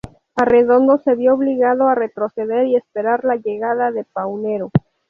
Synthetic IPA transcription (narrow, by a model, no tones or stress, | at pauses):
are̞ðo̞nd̪o̞se̞βjo̞oβliɣaðo̞are̞t̪ɾo̞se̞ðe̞ɾie̞spe̞ɾaɾlaʝe̞ɣaðaðe̞pawne̞ɾo̞